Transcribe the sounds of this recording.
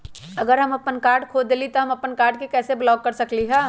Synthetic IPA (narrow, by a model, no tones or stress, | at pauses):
ɐɡəɾɦɐmɐpənkaːɾɖkʰoːd͡ʒd̪eːlit̪oɦɐmɐpənkaːɾɖ̚kekɛːseblɔːkːɐɾsɐkliɦɛː